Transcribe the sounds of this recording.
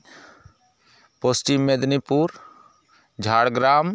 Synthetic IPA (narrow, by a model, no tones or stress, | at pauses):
posʈimːed̪nipuɾ | d͡ʒʱaːɽɡɾam